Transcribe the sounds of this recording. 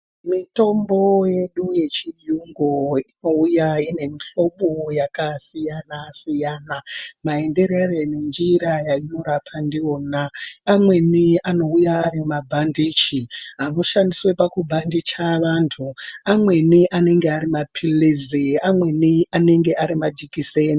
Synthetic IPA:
mito̞mbo̞je̞ɗuje̞t͡ʃijuŋɡoino̞ujaine̞niɬo̞ɓojakasijanasijaːnamae̞nde̞ɾearenend͡ʒiɾajaino̞ɾapʰandioːnaːmwe̞niano̞ujaːɾimabʱandit͡ʃiɦamuʃandiswe̞pakubʱandit͡ʃaʋantʰuamwe̞niʔane̞ŋɡeaɾimapʰiliziamwe̞niane̞ŋɡe̞ʔaɾimad͡ʒikiseni

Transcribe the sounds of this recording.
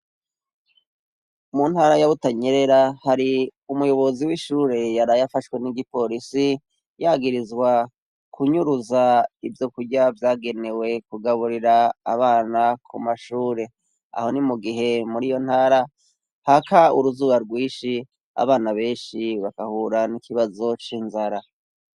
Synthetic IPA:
mun̥haːɾajaβutaɲe̞ɾe̞ɾahaɾiumujo̞βo̞ziwiʃuːɾe̞jaɾajafaʃwe̞niɡipo̞ɾisi | jaːɡiɾizɡwa | kʰuɲuɾuzaivjo̞kuɟavjaːɡe̞ne̞we̞kuɡaβuɾiɾaːβaːnakʰumaʃuːɾe̞ | a̰ho̞nimuɡiɦe̞muɾijo̞n̥haːɾa | hakaṵɾuzuːβaɾɡwiːʃi | a̰βaːnaβe̞ːnʃiβakahuːɾanikʰiβazo̞t͡ʃinzaɾa

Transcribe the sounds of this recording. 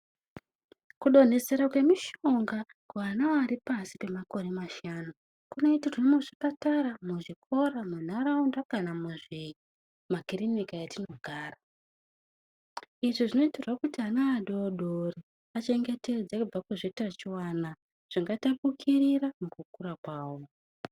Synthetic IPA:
kuɗo̞n̤e̞se̞ɾakwe̞miʃo̞ŋɡa | kanaaɾipasipe̞mako̞ɾe̞maʃaːnu | kuno̞itiromuʐipataɾamuʐikʰo̞ɾamun̤aɾaundakanamuʐi | makirinikajatino̞ɡʱaːra | iʐiʐino̞iterwakutianaːɗoːɗori | at͡ʃe̞ŋɡe̞te̞d͡zakub͡vakeʐetat͡ʃiwana | ʐ̥iŋɡatapukʰiriɾamukukuɾakwaːwo

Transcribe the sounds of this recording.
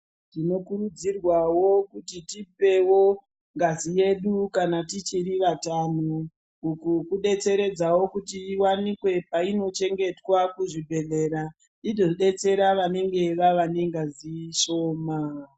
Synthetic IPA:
tino̞kurud͡zirwawo̞kutitip̚e̞wo̞ | ŋɡazije̞ɗukanatit͡ʃiɾiʋatanoː | kukuɗe̞t͡se̞ɾe̞d͡zawo̞kutiiwanikwe̞paino̞t͡ʃe̞ŋɡe̞twakuʐibʱe̞ɮe̞ɾa | ido̞ɗe̞t͡se̞ɾaʋane̞ŋɡe̞ʋaʋaneŋɡaziʃo̞ːma

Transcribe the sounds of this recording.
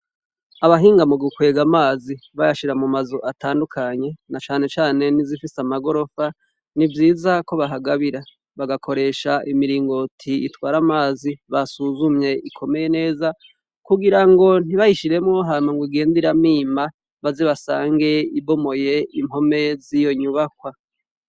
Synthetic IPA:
aβaɦiːŋɡamuɡukwe̞ːɡamaːziβajaʃiɾamumazo̞ʔataːndukʰaɲe̞nat͡ʃaːne̞t͡ʃaːne̞nizifisamaɡo̞ɾo̞fa | nivjiːzako̞βaɦaɡaβiɾa | βaɡakʰo̞ɾe̞ːʃaʔimiɾiːŋɡo̞tʰiḭtwaːɾamaːziβasuzumɲe̞ʔikʰo̞me̞je̞ne̞ːza | kuɡiɾaŋɡo̞n̥iβahiʃiɾe̞mŋoɦamaŋɡwiɡe̞ːndiɾamiːma | βazeβasaːŋɡe̞ibo̞mo̞je̞imho̞me̞zijo̞ɲuβakwa

